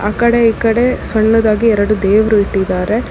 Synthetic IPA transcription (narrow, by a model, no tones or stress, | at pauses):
aːkɐɽe̞iːkɐɽe̞sɐɳːɐd̪aːɡiɛɾɐɽud̪eːʋɾuiʈːid̪aːɾe̞